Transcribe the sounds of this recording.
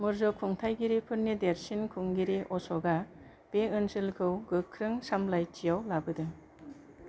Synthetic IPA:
mɯɾzɔkʰuŋtʰajɡiɾipʰɯɾnːideɾsinkʰuŋɡiɾiʔɔsɔɡa | b̥eɯnsɯlkʰɯwɡɯkʰːɾɯŋsamlajt͡ʃijawlabɯdɯŋ

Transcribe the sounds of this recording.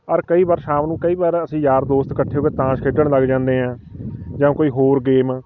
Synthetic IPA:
əɾkəiːbaːɾʃaːmnũːkəiːbaːɾəsĩːjaːɾd̪oːst̪kəʈʰːeːɦoːeːt̪ãːʃkʰeɖəɳləɡd͡ʒãːnd̪eːɦãːd͡ʒãːkoːiːɦoːɾɡeːmãː

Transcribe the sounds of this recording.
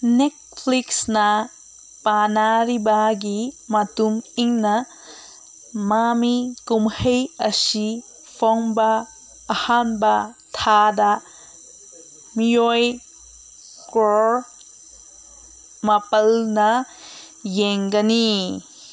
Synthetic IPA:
net̚pʰliksnɐ | panaɾibaɡimɐtumiŋnɐ | mamikumhɐjɐsi | pʰoŋbɐː | hanbɐ | t̪ʰada | mijoj | kɾoɾ | mɐpɐlnɐ | jeŋɡɐni

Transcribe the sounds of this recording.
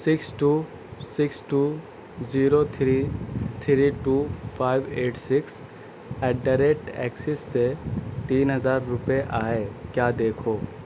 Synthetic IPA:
sɪksʈuː | sɪksʈuː | ziːɾot̪ʰɾit̪ʰɾiʈuːpʰaːɪbeːʈsɪks | ɛːɖɐɾek̚ʈɛ̰ːksɪsːet̪iːnɦɐzaːɾːʊpeʔaːeːkjaːd̪eːkʰoː

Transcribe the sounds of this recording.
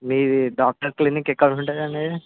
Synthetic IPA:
miːɾiɖaːk̚ʈɐɾklinikɛkːɐɽuɳʈaːd̪ɐnei

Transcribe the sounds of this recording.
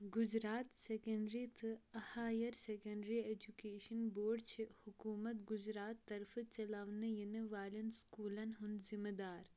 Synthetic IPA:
ɡʊd͡ʒɾaːt̪sekɐɳɖɾit̪ʰɨɐhaːjɐɾsekɐ̃ɳɖɾieːd͡ʒukeːʃɐnboːɖt͡ʃʰihʊkuːmɐt̪ɡʊzɾaːt̪ːɐɾfɨt͡ʃɐlaːʋnɨjinɨʋaːlɐnskuːlɐnɦʊnd̪zimɐd̪aːɾ

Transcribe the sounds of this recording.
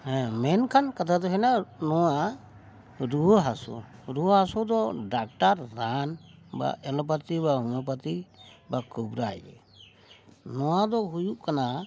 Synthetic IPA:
hɛ̃mɛnkʰankat̪ʰad̪ɔɦɛnanɔwa | ɾuɦɦasṵɾuɦɦasud̪ɔɖak̚ʈaɾːanba̰ʔɛlɔp̬at̪ibaɦɔmap̬at̪ibakubɾajɛ̰ | nɔwad̪ɔɦujuʔkana

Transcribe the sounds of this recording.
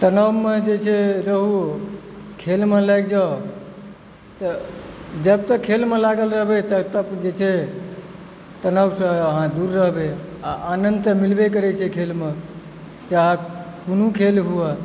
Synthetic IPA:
t̪ənəwmed͡ʒet͡ʃʰɛɾəɦuo | kʰelmelajɡd͡ʒa | t̪əd͡ʒəb̚t̪əkʰːelmelaɡəlɾəɦbet̪ət̪əbd͡ʒet͡ʃʰɛ | t̪ənəwsə̃əɦãd̪uɾːəɦbeaʔanənd̪t̪əmilbekəɾɛt͡ʃʰɛkʰelme | t͡ʃaɦkunukʰelɦua

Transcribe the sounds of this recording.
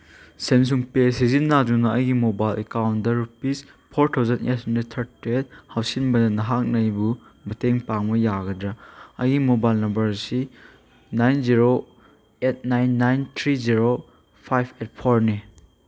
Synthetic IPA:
sens̬uŋpes̬izinːad͡ʒunɐɐjɡimobajlekawntdɐɾupis | pʰoɾtʰawzɐnḛt̚hɐndet̪ʰɐɾtiet̚hawsinbɐdɐnɐɦak̚nɐjbumɐteŋpaŋmɐjaɡɐdɾɐɐjɡimobajlnɐmbɐɾsi | najnziɾo | et̚najnːajnt̪ʰɾiziɾo | pʰajpʰet̚pʰoɾne

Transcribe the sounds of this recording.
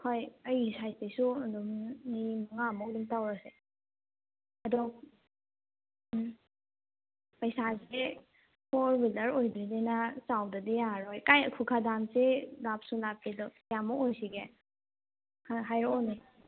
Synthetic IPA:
kʰojɐjsajtijsudumnimaŋamɔwdumtawɾase | ɐdɔ | pɐjsase | pʰɔɾbilɐɾojdɾidenasawdɐdijaɾojkajɐkʰukʰadamselap̚sulap̚idɔ | jamɔojsiɡe | kaɦajɾɔɔni

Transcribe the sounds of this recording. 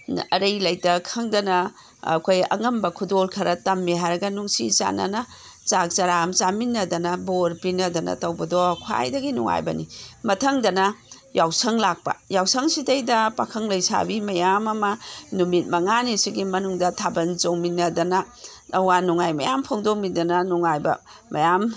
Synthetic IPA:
ɐɾɐjlɐjtɐkʰɐŋdɐnɐ | ɐ̰kʰojɐ̰ŋɐmbɐkʰudolkʰɐɾɐtɐmːiɦajɾɐɡɐnuŋsḭt͡ʃa̰nɐ̰nɐ | t͡ʃak̚t͡ʃɐɾamt͡ʃaminːɐdɐnɐboɾpinɐdɐnɐ̰tɐwbɐdɔkʰwa̰jdɐɡinṵŋa̰jbɐnḭmɐtʰɐŋdɐnɐ | jawsɐŋlak̚pɐ̰jawsɐŋsidɐjdɐpakʰɐŋlɐjsa̰bimɐjamɐmɐnumit̚mɐŋanisiɡimɐnuŋdɐtʰabɐnzoŋminːɐdɐnɐ | ɐwanuŋajmɐjampʰoŋdok̚midɐnɐnuŋajbɐ̰ | mɐjam

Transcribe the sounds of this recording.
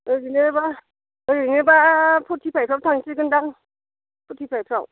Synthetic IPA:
ɯɾineɾba | ɯɾɯnɯbapʰɔtʰipʰajpʰɾawtʰaŋsiɡɯndaŋ | pʰɔtʰipʰajpʰɾaw

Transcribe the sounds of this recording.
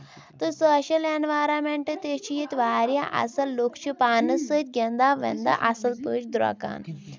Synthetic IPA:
t̪əsəɕəlenʋajɾameɳʈət̪et͡ɕʰijit̪ʋaɾjaʔa̰sɐlːokt͡ɕipanəsət̪̚ʲɡʲɛnd̪aʋḛnd̪a̰ʔasəlpət͡ʃd̪ɾa̰ka̰n

